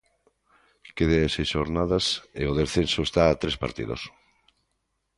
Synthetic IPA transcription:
keðeesejsʃoɾnaðaseoðesθensoest̪aːt̪ɾespa̰ɾt̪ḭðo̰s

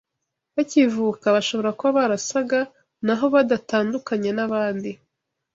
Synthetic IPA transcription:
βacivukaβaʃo̞βo̞ɾakoβaβaɾasaɡa | naɦo̞βadataːndukaɲe̞naβaːndi

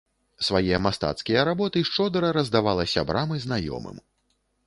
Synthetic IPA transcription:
svajɛjɐmast̪a̰t̪skʲijɐɾabɔt̪ɨʂt͡ʂɔd̪ɾɐɾɐzd̪avalˠɐsʲa̰bɾʔamɨznajɔ̰mɨ̰m

